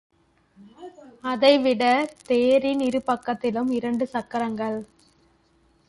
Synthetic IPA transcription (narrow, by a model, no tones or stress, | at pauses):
ɐðɐɪʋɪɽɐt̪eːɾinɪɾɯpɐkːɐt̪ːɪlɯmɪɾɐɳɖɯsɐkːɐɾɐŋɡɐɭ